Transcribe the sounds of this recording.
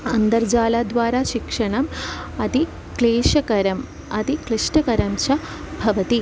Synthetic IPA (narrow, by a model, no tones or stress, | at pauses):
ɐnd̪ɐɾd͡ʑaːlaːd̪ʋaːɾaːʃikʂɐɳɐmɐt̪i | kleːʂɐkɐɾɐm | ɐt̪ikliʂʈɐkɐɾɐmt͡ʃɐ | bʱɐʋɐt̪i